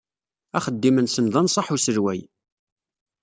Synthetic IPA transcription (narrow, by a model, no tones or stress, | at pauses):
æχəd̪ːimənsənðˤɑnsˤɑħusəɾwæ̰j